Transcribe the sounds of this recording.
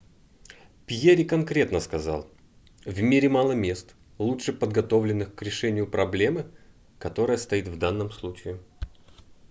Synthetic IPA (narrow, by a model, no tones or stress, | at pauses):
pʲjeɾʲɪkɐnkɾʲe̞t̪nəskɐzɑ̰lˠ | vmʲeɾʲɪmalˠəmʲe̞st̪ | lˠuʂɨpəd̪ɡɐt̪o̞vlʲɪnːɨxkɾʲɪʂɛnʲɪjʊpɾɐblʲe̞mɨ | kɐt̪o̞ɾəjəst̪ɐit̪vd̪anːəmslˠut͡ɕɪɪ